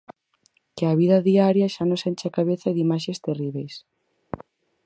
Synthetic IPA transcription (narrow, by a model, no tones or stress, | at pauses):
keaβiðɐðiaɾjaʃanõsent͡ʃakaβ̞eθɐðimaʃest̪eriβejs